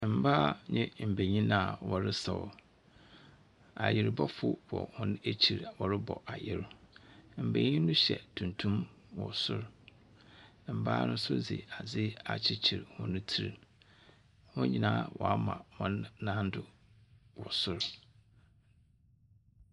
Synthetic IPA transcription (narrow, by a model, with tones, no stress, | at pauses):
m̩˨ba˦˨ɲɪ̃˦m̩˨be˨ɲĩ˦nã˨wɔ˨ɾɪ˦sa˨ɔ̰˨ | a˨jɪ˨ɾbɔ˦fʊ˦bɔ̰˨hʊ̃˦n˦e˦t͡ɕʰi˨ɾwɔ˨ɾɪ˦bɔ̰˨ʔa˨jɪ˦ɾ | m̩˨bẽ˨ɲĩ˦nʊ̃˦ɕɛ̰˨tʰũ˨ntʰũ˦m | wɔ˨sʊ̰˦˨ɾ | m̩˨ba̰ː˦nʊ̃˦sʊ̰˦d͡zɪ̰˨a˨d͡zɪ˦a̰˨t͡ɕʰɪ˦t͡ɕʰi˨ɾhʊ̃˦nʊ̃˦tʰi˦ɾ | hʊ̃˦ɲĩ˦nãː˦wʔɔ˨a˦mã̰˨mɔ̃˦nːã˦n̩˦dʊ˨ | wɔ˨sʊ˦ɾ